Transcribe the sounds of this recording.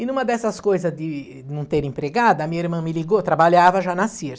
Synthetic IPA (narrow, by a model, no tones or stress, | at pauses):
ɪnũmɐd̪ɛsɐskojzɐzd̪ɪ | nɐ̃w̃t̪eɾĩpɾeɡad̪ʊɐmiɲɐiɾmɐ̃mɪliɡot̪ɾabaʎavɐʒanɐsiɾt̪